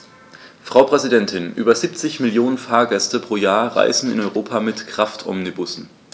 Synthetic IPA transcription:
fʁ̥aʊpʁ̥ɛzidɛntʰɪnʔy̰ːbɐziːp̚t͡sɪçmɪljoːnənfaːɐɡɛstəpʁ̥oːjaːɐʁa̰ɪzn̩ɪ̰nɔʏʁoːpʰamɪtkʁ̥aftʰʔɔ̰mnibʊsn̩

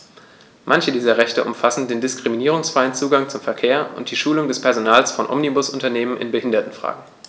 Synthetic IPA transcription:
mʔançədiːzɐʁɛçtəʔʊ̰mfasn̩deːndɪskʁ̥iminiːʁ̞ʊŋsfʁ̥aɪənt͡suːɡaŋt͡sʊmfɛɐkʰeːɐʔʊ̰nt̚d̥iːʃuːlʊŋdɛspʰɛɐzonaːlsfɔnʔɔ̰mnibʊsʊntɐneːmənʔɪ̰nbəhɪndɐtn̩fʁ̥a̰ːɡŋ̩

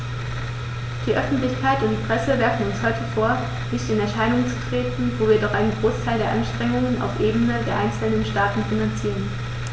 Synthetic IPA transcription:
d̥iːʔœfn̩tlɪçkʰaɪtʊndiːpʁ̥ɛsəvɛɐfn̩ʊnshɔʏtəfoːɐ | nɪçtɪnɛɐʃaɪnʊŋt͡su̥tʁ̥eːtn̩voːviːɐdɔχʔaɪnənɡʁoːstʰaɪldeːɐʔanʃtʁ̥ɛŋʊŋəna̰ʊfʔeːbənədeːɐʔaɪnt͡sl̩nənʃtaːtn̩finant͡siːʁ̞ən

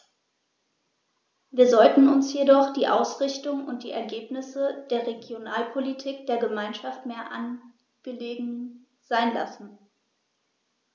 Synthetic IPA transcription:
viːɐzɔltn̩ʊnsjedɔχd̥iːʔaʊsʁ̥ɪçtʊŋʊnt̚d̥ḭːʔɛ̰ɐɡeːpnɪsəd̥eːɐʁeɡjonaːlpʰolitʰiːk̚d̥eːɐɡəmaɪnʃaftmeːɐʔa̰n | ɡ̥əleːɡŋ̩ | z̥aɪnla̰sn̩

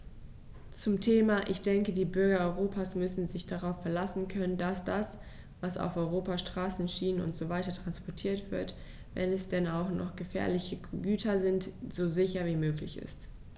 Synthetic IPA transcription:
t͡sʊmtʰeːmaʔɪçd̥ɛŋkədiːbʏɐɡɐɔʏʁoːpʰasmʏsn̩zɪçd̥aʁaʊfːɛɐlasn̩kʰœnəndasd̥as | vasa̰ʊfʔɔʏʁoːpaʃtʁ̥aːsn̩ʃiːnənʊ̰ntz̥ovaɪtɐtʁ̥anspɔɐtʰiːɐtv̥ɪɐt | vɛ̰nɛsd̥ɛnaʊxnɔ̰χɡ̥əfɛ̰ːɐlɪçəɡyːtʰɐzɪntz̥oːzɪçɐviːmøːklɪçɪ̰st

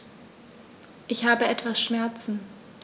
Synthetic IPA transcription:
ʔɪçhaːbəʔɛtv̥asʃmɛɐt͡sn̩

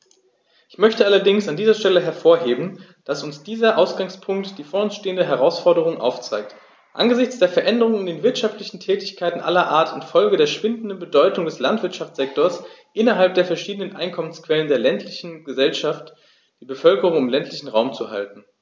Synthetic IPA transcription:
ʔɪçmœçtəʔalɐdɪŋsandiːzɐʃtɛləɦɛɐfoːɐɦeːbn̩ | d̥asʊnsd̥iːzɐʔaʊsɡ̥aŋspʰʊŋktd̥iːfoːɐʊnsʃteːəndəɦɛʁ̞aʊsfɔɐdəʁ̞ʊŋʔa̰ʊft͡sa̰ɪk̚t | ʔa̰nɡəzɪçt͡sd̥eːɐfɛɐʔɛndəʁ̞ʊŋɪndeːnvɪɐtʃaftlɪçn̩tʰɛːtɪçkʰaɪtn̩ʔa̰lɐʔaːɐtɪntfɔlɡədeːɐʃv̥ɪndn̩dənbədɔʏtʊŋdɛslantv̥ɪɐtʃaft͡sz̥ɛk̚toːɐs | ʔɪnɐɦalp̚d̥eːɐfɛɐʃiːdənənʔaɪnkʰɔmənskv̥ɛləndeːɐlɛntʰlɪçn̩ɡəzɛlʃaft | d̥iːbəfœlkəʁ̞ʊŋɪmlɛntlɪçn̩ʁaʊmt͡suha̰ltn̩

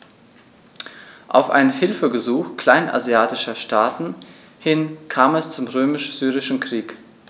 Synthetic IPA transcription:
ʔa̰ʊfʔa̰ɪnnhɪlfəɡəzuːxkl̥aɪnʔa̰ziaːtɪʃɐʃtʰaːtn̩ | hɪnkʰaːmɛst͡sʊmʁøːmɪʃz̥yːʁɪʃn̩kʁ̥iːk

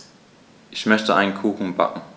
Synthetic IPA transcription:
ʔɪçmœstəʔaɪnkʰuːxŋ̩ba̰kŋ̩

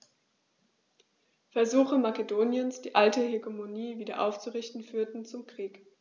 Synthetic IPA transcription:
fɛɐzuːxəmakedoːnjənsd̥iːʔaltəheɡemoniːviːdɐ̰ʔa̰ʊft͡suʁɪçtn̩fyːɐtn̩t͡sʊmkʁ̥iːk

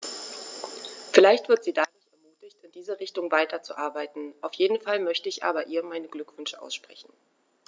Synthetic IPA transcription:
fɪlaɪçtv̥ɪɐtz̥iːdaːdʊɐçɛɐmuːtɪçtɪndiːzəʁɪçtʊŋvaɪtʰɐt͡sṵʔaɐbaɪtn̩ʔaʊfjeːdn̩falmœçtəɪçʔa̰ːbɐʔiːɐmaɪnəɡlʏkv̥ʏnʃəʔa̰ʊsʃpʁ̥ɛ̰çn̩

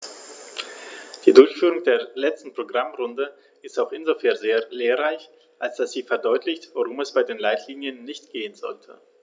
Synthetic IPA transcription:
d̥iːdʊɐçfyːʁʊŋdeːɐlɛt͡stn̩pʁ̥oɡʁamʁʊndə | ʔɪstaʊxʔɪnzofɛːɐnzeːɐleːɐʁaɪç | ʔalsd̥asz̥iːfɛɐdɔʏtʰlɪçtv̥oʁʊmɛsb̥aɪdeːnlaɪtʰliːnjənːɪçtɡ̥eːənzɔltʰə

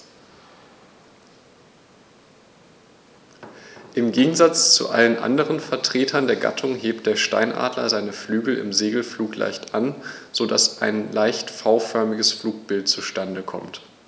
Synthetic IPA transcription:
ʔɪmɡeːɡŋ̩zat͡st͡sṵʔa̰lənʔa̰ndəʁənfɛɐtʁ̥eːtʰɐndeːɐɡa̰tʰʊŋɦeːp̚t̚d̥eːɐʃta̰ɪnʔa̰ːdlɐ̰zaɪnəflyːɡl̩ɪ̰mzeːɡl̩fluːklʔa̰ɪçtʔanz̥odasʔa̰ɪnlaɪçtfaʊfœɐmɪɡəsfluːk̚b̥ɪltt͡suʃtandəkʰɔ̰mt

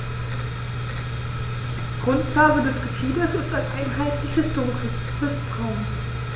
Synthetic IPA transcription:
d̥iɡ̥ʁʊntl̥aːbədɛsɡ̥əfʰiːdəsɪstaɪnʔaɪnɦaɪtlɪçhɪstoːʁɪk | fɪsbʁaʊm

